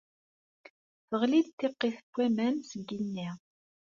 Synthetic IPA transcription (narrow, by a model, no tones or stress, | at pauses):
θəʁlid̪t̪ːeqːiθə̥kʷːæmæmsəɡinːiʁ